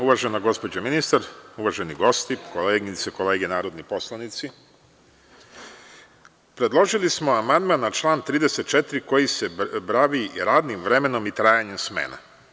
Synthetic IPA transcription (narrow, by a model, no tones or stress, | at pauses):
uʋaʒe̞naɡo̞spo̞d͡ʑaminist̪aɾuʋaʒeniɡo̞st̪ikoleːɡnit̪seko̞le̞ːɡenaːɾo̞d̪nipo̞slˠanit̪si | pɾe̞d̪lˠo̞ʒilismoamand̪manːat͡ʃlˠaːnt̪ɾiːd̪eset̪̚t͡ʃet̪ɾiko̞jise̞bɾaʋiɾaːd̪nimʋɾe̞me̞no̞mit̪ɾaːjaɲemsmḛːna̰